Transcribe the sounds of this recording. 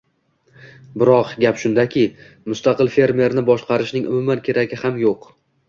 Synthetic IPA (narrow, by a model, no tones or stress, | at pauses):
bɪɾɒqɡʲapʃʊnd̪akʲʰɪ | mʊst̪ɑqɨlfe̞ɾme̞ɾnɪbɒʃqɑɾɪʃnɪŋʊ̰mʊmankʲʰe̞ɾaɡʲɪhamjoq